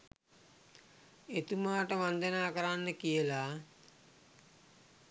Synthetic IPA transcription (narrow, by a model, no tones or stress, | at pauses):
et̪umaːʈəʋand̪ənaːkəɾanːəkijəla